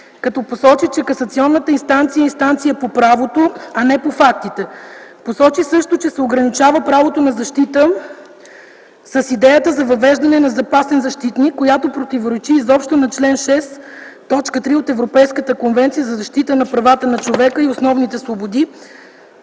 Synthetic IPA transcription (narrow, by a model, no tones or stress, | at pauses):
kɐt̪ɔposɔt͡ʃit͡ʃɛkɐsɐt̪siɔnːət̪əinst̪ant̪sijəinst̪ant̪sijəpopɾavot̪oɐnɛpofakt̪it̪ɛposɔt͡ʃisɤʃt̪ot͡ʃɛsɛoɡɾɐnit͡ʃavəpɾavot̪onɐzɐʃt̪it̪ə | səsid̪ɛjət̪əzɐvɐvɛʒd̪ɐnɛnɐzɐpasɛnzɐʃt̪it̪nikːojat̪opɾot̪ivoɾɛt͡ʃiːzɔpʃt̪onɐt͡ʃlɛnʃɛst̪ɔt͡ʃkət̪ɾiot̪ɛvɾopɛjskət̪əkonvɛnt̪sijəzɐzɐʃt̪it̪ənɐpɾɐvat̪ənɐt͡ʃovɛkəiosnɔvnit̪ɛsvobod̪i